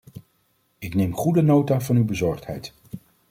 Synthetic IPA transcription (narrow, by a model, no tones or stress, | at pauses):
ɪknejmχudənowtaːvɑnywbəzɔɹχtɦɛ̰jt